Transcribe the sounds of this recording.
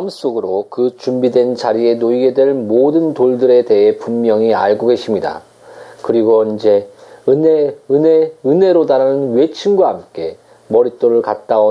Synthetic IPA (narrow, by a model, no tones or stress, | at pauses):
ms͈oɡɯɾokɯt͡ɕumbidwe̞nt͡ɕaɾie̞noiɡe̞dwe̞ɭmodɯntoɭdɯɾe̞te̞ɦe̞pumːjʌŋia̰ɭɡoɡe̞ɕʰimɲida̰ | kɯɾiɡoind͡ʑe̞eeɯne̞ɾodaɾanɯnwe̞t͡ɕʰinɡwahamk͈e̞ | mʌɾit͈oɾɯɭkat̚t͈ao